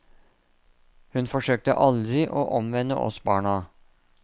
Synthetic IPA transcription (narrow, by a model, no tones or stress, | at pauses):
hʉnfɔʂøːk̚t̪ə̰ʔɑld̪ɾɪʔoːʔɔmʋɛnːə̰ʔɔ̰sbɑːɳɑ